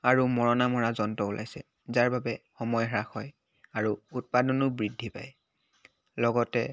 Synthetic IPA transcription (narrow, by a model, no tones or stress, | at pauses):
aɹumɔɹɔnamɔɹazɔntɔulʔa̰jsɛ | zaɹbabɛxɔmɔjɦaɹaxɔj | aɹuut̚padɔnʊbɹidʱːipa̰j | lɔɡɔtɛ